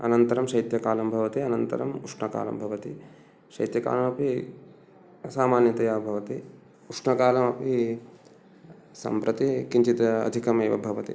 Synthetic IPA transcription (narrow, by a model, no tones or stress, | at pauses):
ɐ̰nɐnt̪ɐɾɐmʃɐjt̪jɐkaːlɐmbʱɐʋɐt̪iɐnɐnt̪ɐ̰ɾɐmuʂɳɐka̰ːlɐ̰mbʱɐʋɐt̪i | ʃɐjt̪jɐka̰ːlɐmɐpi | saːmaːnjɐt̪ɐjaːbʱɐʋɐt̪i | uʂɳɐkaːlɐmɐpi | sɐ̰mpɾɐt̪ikiɲt͡ʃit̪ɐɐ̰d̪ʱikɐmɐːʋɐ̰bʱɐʋɐt̪ḭ